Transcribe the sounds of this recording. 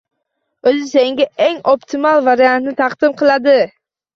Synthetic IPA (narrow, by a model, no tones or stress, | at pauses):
ɵzɪse̞ŋɡʲaʔeŋopt̪ʰɪmalˠvaɾijant̪nɪt̪ʰɑqd̪̥ɪmqʰɨlˠad̪ɪ